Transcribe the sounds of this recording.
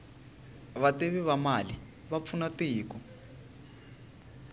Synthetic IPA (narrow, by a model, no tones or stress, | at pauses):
βateβiβamali | βap̪fʰunatiːkɔ